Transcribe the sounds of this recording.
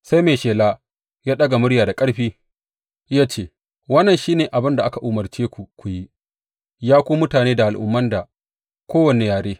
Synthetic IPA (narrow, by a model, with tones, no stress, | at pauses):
sa˦jmeː˨ʃeː˨laː˦ | jaː˦ɗɐ˦ɡa˨mʊ˦ɽjaː˨da˨kʼɐ˦ɽɸiː˦ | jaː˦t͡ʃeː˦ | wɐ˦nːɐ˨nʃiː˦neː˨ʔa˨bɪ˦nda˨ʔa˦ka˨ʔʊ˨mɐ˨rt͡ʃeː˦kʷu˨kʷu˨ji˦ | jaː˦kʷoː˦mʊ˦taː˨neː˦da˨ʔa˨lʔʊ̰˨mːɐ˦nda˨ | kʷoː˦wɐ˨ne˨jaː˨ɽeː˦